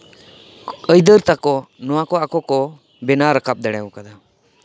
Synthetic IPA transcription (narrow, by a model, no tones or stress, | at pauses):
əjd̪əɾt̪akɔnɔwakɔakɔkɔ | bɛnaɾəkap̚d̪ɛɽ̃ɛukad̪a